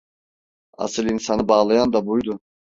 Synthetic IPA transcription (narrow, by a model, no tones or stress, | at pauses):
ɑ̰sɯlˠinsanɯbaːlˠajand̪abujd̪u